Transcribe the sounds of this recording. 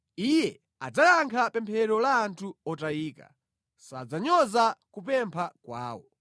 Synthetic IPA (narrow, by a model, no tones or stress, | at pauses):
ijɛ | a̰d͡zajaŋkʰapɛmpʰɛɾɔlaːntʰuɔtaiːka̰ | sad͡zaɲɔzakupɛmpʰakwa̰ːwɔ